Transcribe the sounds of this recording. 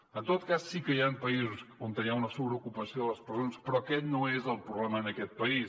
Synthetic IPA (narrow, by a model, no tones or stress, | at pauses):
ɐ̃nt̪oðukazsikɐianpɐizusõnd̪ɐaunɐsuβɾokupɐsjõlˠɐspɾzõnspɾɔkɛnɐ̃w̃ɛzɐlˠpɾuβlɛmɐnɐkɛt̪̚pɐi